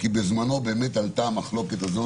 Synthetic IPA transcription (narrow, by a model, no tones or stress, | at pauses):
kibe̞zmano̞be̞ːmet̪alt̪aːmaχlo̞ke̞t̪azo̞